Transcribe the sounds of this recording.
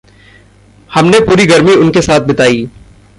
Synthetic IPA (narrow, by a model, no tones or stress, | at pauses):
hɐmnepuːɾiɡɐɾmiʊnkesaːt̪̚ʰbɪt̪aːiː